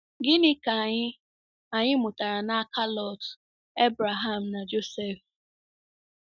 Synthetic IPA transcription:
ɡɪ˦nɪ˦ka˨a˨ɲɪ˦ | a˨ɲɪ˦mʊ˨ta˨ɾa˨na˦a˦ka˦lɔ˦˨t | e˦bɾa˨ɦa˦˨m̩˨na˨d͡ʒo˦se˦˨f

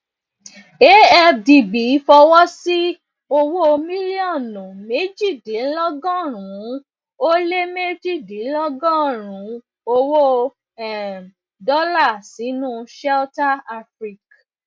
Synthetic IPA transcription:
e˦ɛ˧di˨bi˨˦fɔ˧wɔ˦si˦ | o˧wo˦mĩ˦li˦ɔ˦˨nɔ̃˨me˨˦d͡ʒi˦˨de˨˦lɔ˦ɡɔ̃˦˨ɾ̃ũ˨˦ | o˦le˦me˦d͡ʒi˦˨de˨˦lɔ˦ɡɔ̃˦˨ɾ̃ũ˨˦ | o˧wo˦ | ɛ˨m | dɔ˦la˦˨si˨˦nũ˦ʃɛ˦ta˦a˧fɾi˦˨k

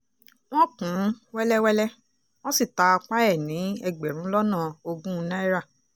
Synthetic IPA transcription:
w̃ɔ̃˦kũ˨˦wɛ˦lɛ˦wɛ˦lɛ˦ | w̃ɔ̃˦si˦˨ta˧k͡pa˦ɛ˦˨nĩ˨˦ɛ˧˨ɡ͡bɛ˨ɾ̃ũ˨˦lɔ˦nã˦˨o˧ɡũ˦˧˦nã˦i˦ɾa˦˨

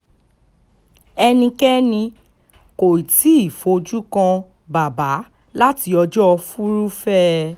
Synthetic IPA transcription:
ɛ˧nĩ˧kɛ˦nĩ˧ | ko˨i˨ti˨˦i˦˨fo˨˧˦d͡ʒu˦kã˧ | ba˨ba˨˦ | la˦ti˧˦ɔ˧d͡ʒɔ˦˧fu˦ɾu˦fɛ˦

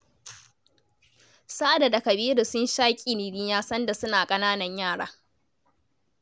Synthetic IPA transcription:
saː˦da˨da˨kɐ˨biː˦ɾu˨sʊ˦nʃaː˦kʲʼi˨ni˨ɾiː˦jaː˦sɐ˦nda˨sʊ˦naː˨kʼɐ˦naː˦nɐ˨ɲjaː˦˨ɽa̰ː˦

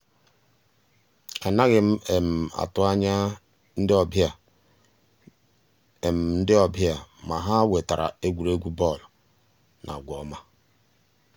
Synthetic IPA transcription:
a˨na˦ɣɪ˨m̩˦e˨m̩˨a̰˨tʊ˦a˦ɲa˦ | n̩˦dɪ˦ɔ˨bja˨ | e˨m̩˨n̩˦dɪ˦ɔ˨bja˨ma˨ɦa˦we˨ta˨ɾa̰˨e˦ɡʷu˨ɾe˦ɡʷu˦bɔ˦˨l | nʔa̰˨ɡʷɔ˨˦ma˦

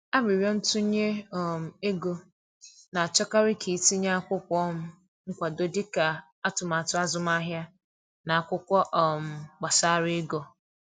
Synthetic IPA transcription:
a˦bi˨ɾɔ˦n̩˦tʊ˦ɲe˦ɔ˦˨m̩˨e˦ɡo˨ | na˨a˨t͡ʃɔ˦ka˦ɾɪ˦kʰi˨˦ti˦ɲa˦a˦kʷʊ˦kʷʊ˨˦ɔ˦m̩˦ | ŋ̩˦kʷa˨do˦dɪ˦ka˨ | a˦tʊ˨ma˨tʊ˦a˦zʊ˨m˦a˦ɦja˦ | na˨a˨kʷʊ˦kʷɔ˦ʔɔ˨m̩˨ɡ͡ba˨sa˦ɾɪ˦ɡo˦

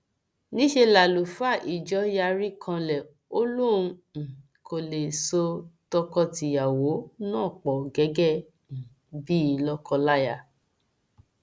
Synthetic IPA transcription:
nĩ˦ʃe˧la˨lu˨fa˦˨ʔi˨d͡ʒɔ˨˦ja˧ɾi˦kʰã˧lɛ˨ | o˦lu˦˨ũ˧˨ | kʰo˨le˨so˧tɔ˧kɔ˧ti˧ja˨wo˨˦nãː˦˨k͡pɔ˨ɡɛ˨˦ɡɛ˦˨ | n̩˨ | bi˦i˧˨lɔ˦kɔ˧la˦ja˧˨

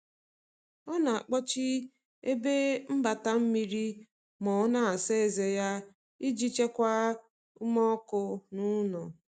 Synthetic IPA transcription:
ɔ˦na˨a˨k͡pɔ˦t͡ʃi˦ | e˦be˦m̩˦ba˨ta˦m̩˦mi˦ɾi˦ | mɔ˨˦na˦a˨se˦e˨ze˨ja˦ | i˦d͡ʒi˦t͡ʃe˦kʷa˦ | u˦mɔ˦kʊ˦nu˦nɔ˨

